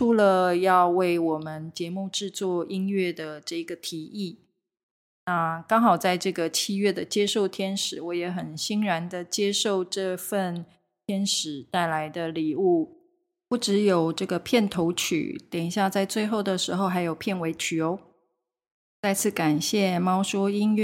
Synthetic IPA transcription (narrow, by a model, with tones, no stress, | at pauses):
ʈ͡ʂʰu˧˥lə˧jɑ˥˧ʊwe˥˩ɪwɔ˨˩mə˦nt͡ɕjɛ˧˥mu˥˧ʈ͡ʂɻ̩˥˧t͡swɔ˥˩i˥nɥɛ˥˩d̪ə˩ʈ͡ʂɤ˥˩i˧˥ɡə˧t̪ʰi˧˥i˥˩ | na˥˧kɑ˥ŋxɑ˨˩ʊt͡sa˥˧ɪʈ͡ʂɤ˥˩ɡə˩t͡ɕʰi˥ɥɛ˥˩d̪ə˩t͡ɕjɛ˥ʂo˥˩ʊt̪ʰjɛ˥nʂɻ̩˨˦wɔ˧˥jɛ˧˥xə˨˩nɕi˥ŋɻa˧˥nd̪ə˨t͡ɕjɛ˥ʂo˥˧ʊʈ͡ʂɤ˥˧fə˥˧n | t̪ʰjɛ˥nʂɻ̩˨˩˦t̪a˥˩ɪla˧˥ɪd̪ə˧li˨˩u˥˩ | pu˥˩ʈ͡ʂɻ̩˧˥jo˨˩ʊʈ͡ʂɤ˥˩ɡə˩pʰjɛ˥˩nt̪ʰo˧˥ʊt͡ɕʰy̰˨˩t̪jɛ˨˩ŋi˨˩ɕja˥˧t͡sa˥˧ɪt͡swe˥˧ɪxo˥˩ʊd̪ə˩ʂɻ̩˧˥xo˥˧ʊxa˧˥ɪjo˨˩ʊpʰjɛ˥˩nwe˧˥ɪt͡ɕʰy˨o˧˦˥ʊ | t͡sa˥˧ɪt͡sʰɹ̩˥˩ka˨˩nɕjɛ˥˩mɑ˥ʊʂɔ˥i˥nɥɛ˥˩